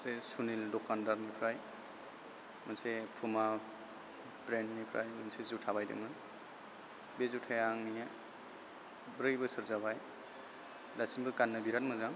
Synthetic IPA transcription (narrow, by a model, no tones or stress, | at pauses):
sesunildɔkʰandaɾnipʰɾaj | mɯnsepʰuma | bɾendnipʰɾa̰jmɯnsezutʰabajdḛmɯn | bezutʰajaŋnija | bɾɯjbɯsɯɾzabaj | dasinbɯkanːɯbiɾat̚mɯzam